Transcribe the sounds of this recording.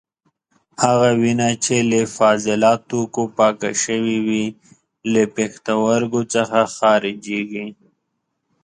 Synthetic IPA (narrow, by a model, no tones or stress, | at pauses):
haɣawinat͡ʃʰelefaːzɪlɑːt̪ukopɑːka̰ʃəwiwi | lepext̪awaɾɡot͡səxaxɑːɾɪd͡ʒeɡi